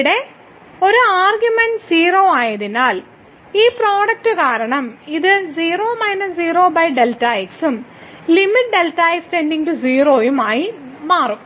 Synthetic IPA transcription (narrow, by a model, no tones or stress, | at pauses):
ɽe̞ | o̞ɾuaːrɡjumenɖsiːroːaːjɐðinaːl | iːproːɽɐk̚ʈɨkaːɾɐɳɐmiðɨziːroːmɐjnɐsziːro̞ːbɐjɖeltːaːjksumlimiʈɖe̞ltːaːjstenɖiŋɡʈuziːroːjumaːjimaːrum